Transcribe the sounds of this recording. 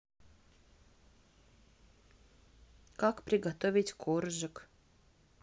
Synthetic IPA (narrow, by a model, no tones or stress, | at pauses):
kakpɾʲɪɡɐt̪ovʲɪtʲkʰorʒək